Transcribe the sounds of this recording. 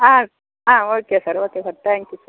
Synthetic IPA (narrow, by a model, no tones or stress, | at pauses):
ãː | ãːoːkesɐɾoːkesɐɾt̪ɛ̃ːŋkjusɐɾ